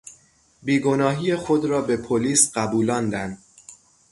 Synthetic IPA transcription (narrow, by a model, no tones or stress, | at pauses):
biːɡo̞nɒːɦiːjexod̪ɾɒːbe̞pʰoliːsɢæbuːlɒːnd̪ænd̪